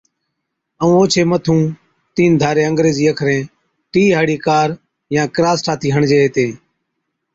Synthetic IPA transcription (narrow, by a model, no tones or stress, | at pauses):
əũːoːt͡ʃʰeːmət̪ʰũː | t̪iːnd̪ʱaːɾeːəŋɡɾeːziːəkʰɾẽː | ʈiːɦaːɽiːkaːɾ | jãːkɾaːsʈʰaːt̪ʰiːɦəɳd͡ʒeːɦeːt̪ẽː